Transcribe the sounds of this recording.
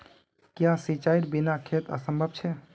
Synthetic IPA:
kjasit͡ʃaiɾbinakʰet̪ə̰səmbʱəb̚t͡ʃʰɛ

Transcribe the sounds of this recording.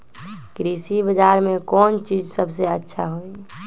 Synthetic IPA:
kɾisibəd͡ʒaːɾmẽkɔːnt͡ʃid͡ʒsəbʱseətːʃʰa̰ɦoi

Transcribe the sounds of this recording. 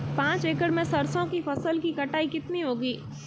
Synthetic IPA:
pãːt͡ʃeːkəɾmẽsɐɾsõkifɐsəlkikɐʈaːikɪt̪niɦoːɡiː

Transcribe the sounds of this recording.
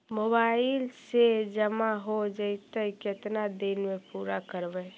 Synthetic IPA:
mobaːɪlsed͡ʒəmaɦod͡ʒəɪt̪əkɪt̪nad̪inmẽpuːɾakəɾbɛ

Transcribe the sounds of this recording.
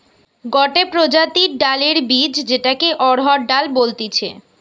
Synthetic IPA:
ɡɔʈepɾod͡ʑat̪iɖaleɾbid͡ʑd͡ʑeʈakeʔɔɽɦɔɖalbolt̪et͡ɕʰḛ

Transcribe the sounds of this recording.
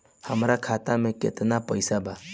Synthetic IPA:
həmɾakʰat̪amẽkḛt̪napəjsaba

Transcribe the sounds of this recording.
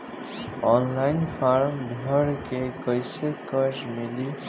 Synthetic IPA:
ɔːnlaɪnfʰaɾmb̪ʱəɽkekəjsekəd͡ʒmɪli

